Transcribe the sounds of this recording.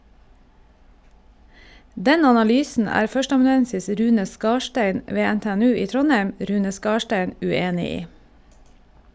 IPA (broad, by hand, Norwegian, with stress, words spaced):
ˈdɛn ɑnɑˈlyːsən ˈæːɾ ˈfœʃtəɑmɑnʉˌɛnsɪs ˈɾʉːnə ˈskɑːʃʈæɪn ˈʋeː ɛnteːɛˈnʉː ˈiː ˈtɾɔnhɛm ˈɾʉːnə ˈskɑːʃʈɛn ʉˈeːnɪ ˈiː